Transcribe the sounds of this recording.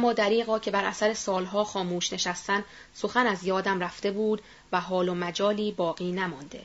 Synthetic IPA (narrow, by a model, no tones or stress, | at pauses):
ʔæmːɒːd̪æɾiːɣɒːcʰe̞bæɾʔæsæɾe̞sɒːlɦɒːxɒːmuːʃne̞ʃæst̪æn | so̞xænæzjɒːd̪æmræft̪e̞buːd̪ | væɦɒːlomæd͡ʒɒːliːbɒːɣiːnæmɒnd̪e